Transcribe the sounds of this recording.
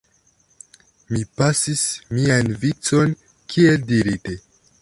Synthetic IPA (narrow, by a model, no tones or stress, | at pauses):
mipasismianvit͡so̞n | kʰie̞ldiɾite